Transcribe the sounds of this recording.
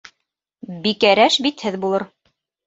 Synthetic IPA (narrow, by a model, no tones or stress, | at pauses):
bikæɾæʃbit̪hɘðbulˠɤɾ